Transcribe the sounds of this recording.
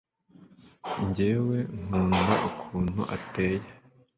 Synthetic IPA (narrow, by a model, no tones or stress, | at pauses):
ɲɟeːwe̞ŋ̥uːnaukʰuːn̥hṵʔate̞ːja